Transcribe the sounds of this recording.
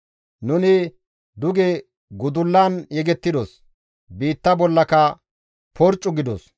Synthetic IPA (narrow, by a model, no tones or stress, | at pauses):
nʊnɪ | d̪ʊɡɛ | ɡʊd̪ʊlːaːnjɛɡɛt̪ːɪd̪os | biːt̪ːɐbɔlːɐkɐ | pɔɾt͡ʃʼːʊɡɪd̪ɔ̰s